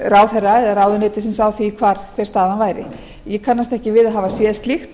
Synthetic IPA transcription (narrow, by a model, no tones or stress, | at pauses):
raːwθɛrːaɛðaɾawðʏneːt̪ɪsɪnsawθikʰvaːɾkʰvɛɾ̥st̪aːðanvaːjɾɪ̰ | jɛkʰanːast̪ɛhcɪvɪðaɦaːvasjɛst̪lixt̪